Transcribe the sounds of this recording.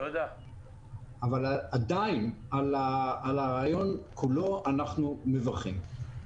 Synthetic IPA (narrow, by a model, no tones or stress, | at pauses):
od̪a | avalad̪ajinalaalaʁajo̞nkʰulo̞anaχnumevaʁχim